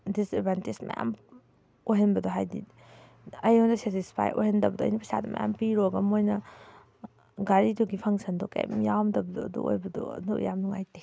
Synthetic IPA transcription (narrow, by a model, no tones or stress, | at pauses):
disedbantismɐ̰ja̰m | ojɦɐnbɐdɔɦajdḭ | ɐjɔwndɐsetispʰa̰jʔo̰jhendɐbɐdɔɐ̰jnipʰɐsa̰dɐmɐ̰ja̰mpiɾoɡɐmojnɐ | ɡaɾitʰuɡipʰaŋsɐndɔkḛmjawmdɐbɐdɔɐ̰dṵʔo̰jbɐdɔ̰dṵjamnuŋa̰jte